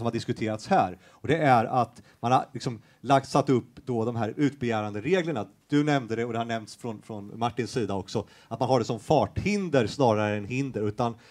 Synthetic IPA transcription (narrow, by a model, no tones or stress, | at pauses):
sɔmhaɖɪskɵt̪ʰeːɾat̪shæːɾ | ɔd̪ɛæɾat̪manha̰ɾlɪksɔm | lak̚t̪sat̪ːɵpːd̪ɔd̪ɔmɦæːɾʉ̟ːt̪̚bɛjæːɾand̪əɾeːɡləɳad̪̥ɵnɛmnd̪əd̪ɛɔd̪ɛhaɳɛmnt̪sfɾɔnfɾɔnmaʈːɪnsːiːd̪aɔksɔ | at̪manɦaɖɛsɔmfɑːʈhɪnd̪əɾsnɑːɾaɾəɛnɦɪnd̪əɾʉ̟ːt̪an